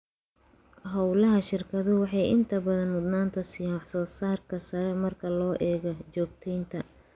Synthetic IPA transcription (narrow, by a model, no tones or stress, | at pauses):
ɦɐwlɐɦɐʃɪrkʰɐðʊwɑħɑjɪnt̪ʰɐbɐðɐnmʊd̪naːnt̪ʰɐsijanwɑħsɔːsaːrkʰɐsɐɾɛmɐrkʰɐlɔːʔɛːɣɐt͡ʃɔːɡ̚t̪ʰɛjnt̪ʰɐ